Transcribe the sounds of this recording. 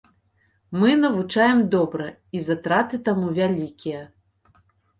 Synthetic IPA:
mɨnɐvut͡ʂajɛmd̪ɔbɾɐ | izat̪ɾat̪ɨt̪amuvʲalʲikʲijɐ

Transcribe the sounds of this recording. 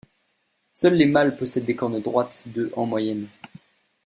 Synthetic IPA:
sœlːemalpɔsɛd̪ːekɔʁnəd̪ʁwat̪d̪əʔɑ̃mwajɛn

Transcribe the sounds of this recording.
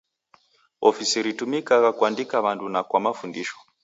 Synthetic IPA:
ofisiɾitumikakakwandikaʋantunakwamafundiːʃo̥

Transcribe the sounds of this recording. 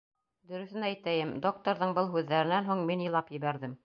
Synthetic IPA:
d̪ɵ̆ɾɵ̆θɘnæjt̪æjɘmd̪ok̚t̪oɾðɤɴbɤlˠɦʉðːæɾɘ̆nænɦuɴminjɤ̆lˠɑpjɘ̆βæɾðɘm

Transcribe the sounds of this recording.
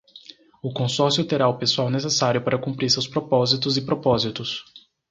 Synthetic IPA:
ʊkõsɔɾsjʊt̪eɾaʊpesuawnesesaɾjʊpaɾɐkũpɾiɾsewspɾopɔzit̪ʊzɪpɾopɔzit̪ʊs

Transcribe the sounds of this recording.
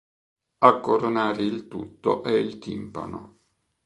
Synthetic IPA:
akːoɾonaːɾeilt̪ut̪ːo̰ʔɛilt̪ḭmpa̰no̰

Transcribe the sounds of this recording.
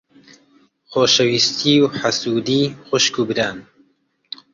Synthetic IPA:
xoːʃɐwist̪ʰiwħasuːd̪iːxʊʃkuːbɨɾaːn

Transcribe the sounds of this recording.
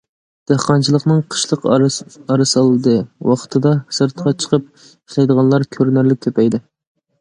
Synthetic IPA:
d̪̥æhqɑnt͡ʃʰilˠəqnɨŋqʰə̥ʃlˠəqɑɾɨsɑlˠɨd̪ɨwɑqʰt̪ʰɨd̪ɑsɨɾt̪qʰɑt͡ʃʰə̥qʰəp̚ | iʃlˠɛjd̪əʁɑnlˠɑɾkʲʰøɾnæɾlɪk̚ʲkʲʰøpɛjd̪ɪ

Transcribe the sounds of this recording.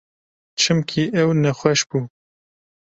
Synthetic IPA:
t͡ʃʰɨmkʰiʔɛwnɛxʷɛʃb̥uː

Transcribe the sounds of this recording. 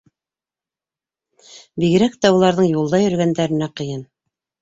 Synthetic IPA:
biɣɘ̆ɾækt̪æulˠɑɾðɤɴjulˠd̪ɑjɵ̆ɾɡænd̪æɾɘ̆næqɤ̆jɤn

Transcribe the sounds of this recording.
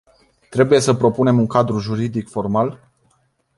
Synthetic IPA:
t̪ɾe̞buje̞səpɾo̞pune̞muŋkad̪ɾuʒuɾid̪ikfo̞rmal

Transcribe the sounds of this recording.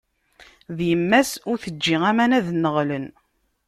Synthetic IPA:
ðjəmːæsʊɾθəd͡ʒːiŋæmænæðnːəʁlən

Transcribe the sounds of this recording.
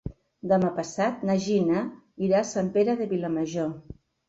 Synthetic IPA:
d̪əmapəsat̪naʒinə | iɾasampeɾəðəβilaməʒo

